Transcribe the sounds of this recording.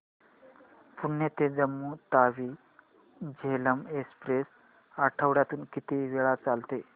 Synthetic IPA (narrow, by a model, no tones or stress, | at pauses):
puɳːət̪ed͡zəmːuːt̪aʋiː | d͡ʑeləmekspɾes | əʈʰəʋɽjat̪uːnkit̪eʋeɭat͡salt̪e